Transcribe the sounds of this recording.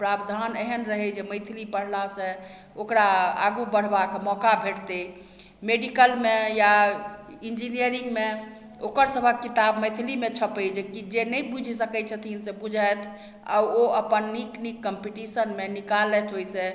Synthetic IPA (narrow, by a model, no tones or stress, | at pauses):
pɾabd̪ʱaneɦənɾəɦɛd͡ʒeməjt̪ʰilipəɽ̤lasẽ | okɾaa̰ɡubəɽ̤bakmɔkabʱeʈt̪e | meɖikəlmeja | ind͡ʒinijəɾiŋɡme | okəɾsəbʱəkːit̪abməjt̪ʰilimet͡ʃʰəpɛd͡ʒekid͡ʒenəjbud͡ʒʱsəkɛt͡ʃʰət̪ʰinsẽbud͡ʒʱəjt̪ʰ | a̰uoəpənːiknikːəmpiʈisənmenikalɛt̪ɦojse